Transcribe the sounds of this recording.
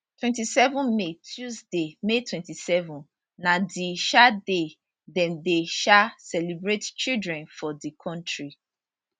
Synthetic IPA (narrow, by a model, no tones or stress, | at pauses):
twɛ̃ntisɛvɔ̃nmetʰjuzdemetʰwɛ̃ntisɛvɔ̃n | nadiʃade | dɛ̃mdeʃasɛlibɹett͡ʃildɹɛ̃nfɔdikʰɔ̃ntɹi